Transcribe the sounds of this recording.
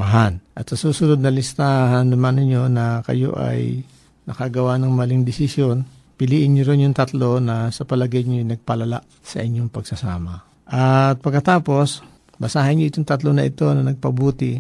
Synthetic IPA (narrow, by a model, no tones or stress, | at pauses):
mɐɦanʔɐt̪sɐsuːsʊnod̪̚nɐlɪst̪aːhɐnːɐmanɪɲo̞nɐkɐ̰jo̞̰ʔɐ̰j | nɐkaɡɐwanɐŋmɐlɪŋd̪ɪsɪsjo̞n | pɪliːʔɪnɲoɾɪnjʊŋt̪ɐt̪lo̞nɐsɐpɐlɐɡɐjɲojnɐɡ̚pɐlɐla̰ʔ | sɐ̰ʔɪɲːoŋpɐɡsɐsa̰ːmɐ | ʔɐt̪̚pɐɡkːɐt̪aːpo̞s | bɐsaːhɐnɲoʔɪt̪oŋt̪ɐt̪lo̞nɐʔɪt̪o̞nɐnɐɡ̚pɐbuːt̪ɪ